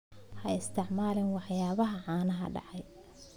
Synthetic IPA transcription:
hɐɪst̪ʰɪʕmaːlɪnwɑħjaːβɐɦɐʕaːnɐɦɐ̰ɖɑ̰ʕɑj

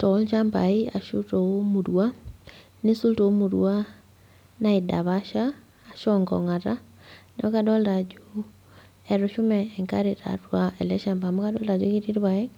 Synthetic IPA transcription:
tɔlʃambaia̰ʃutoomuɾwa | nisultoomuɾwa | naida̰βaʃaː | ʃɔŋɡɔ̰ŋata | nɛokadɔldad͡ʒu | ɛɾoʃumɛːŋkaɾeta̰ɾwaɛlɛʃambamukadɔlad͡ʒuɣitiɾiβaɛ

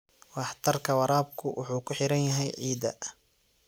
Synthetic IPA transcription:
wɑħt̪ʰɐrkʰɐwɑɾaːb̚kʰʊwʔʊ̰ħuːkʰʊħɪɾɐnjɐɦɛjʕiːd̪ɐ̰

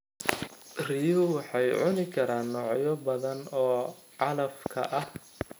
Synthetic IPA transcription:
rijʊwɑħɑjʕʊnɪkʰɐɾaːnːɔːʕjɔbɐðɐnɔːʕɑlɐfkʰɐ̰ʔɐh

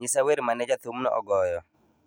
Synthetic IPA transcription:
isaweɾmanɛd͡ʒat̪umnɔ̰ʔɔ̰ɡɔjɔ

